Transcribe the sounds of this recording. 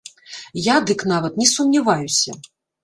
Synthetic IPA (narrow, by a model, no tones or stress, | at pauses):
jad̪ɨknavɐt̪nʲɛsumnʲavajusʲɐ